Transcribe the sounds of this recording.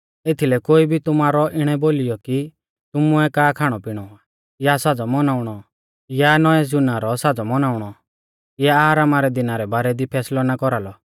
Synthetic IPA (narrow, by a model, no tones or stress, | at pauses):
et̪ʰilɛkoːibʱit̪ʊmaːɾɔʔɪɽ̃ɛboːlɪjɔki | t̪ʊmʊɛkaːkʰaːɽ̃ɔpɪɽ̃ɔa | jasad͡zɔmɔnaːʊɽ̃ɔ | janɔɛzʊnaɾɔsad͡zɔmɔnaːʊɽ̃ɔ | jaːɾaːmaɾɛd̪ɪnaɾɛbaːɾɛd̪ipʰɛːslɔnakɔɾalɔ